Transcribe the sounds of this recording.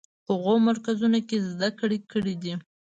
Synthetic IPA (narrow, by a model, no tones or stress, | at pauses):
həɣomaɾkazunokezd̪akɽikəɽid̪i